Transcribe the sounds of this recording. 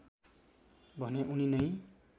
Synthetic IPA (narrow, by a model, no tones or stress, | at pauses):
bʱʌneʔuninʌj